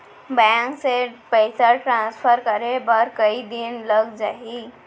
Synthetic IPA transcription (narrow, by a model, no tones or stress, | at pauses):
baŋksepəɪsəɾʈɾãnspʰəɾkəɾebəɾkəid̪inləɡd͡ʒaɦi